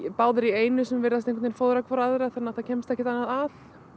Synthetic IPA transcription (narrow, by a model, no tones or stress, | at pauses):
paːwðʏɾieːjnʏsʏmvɪɾðast̪ẽhŋkʰʏnjnfoːwðɾakʰvɔɾaðɾaθɛnːaθacʰɛmst̪ɛhcːɪt̪anːaðaθ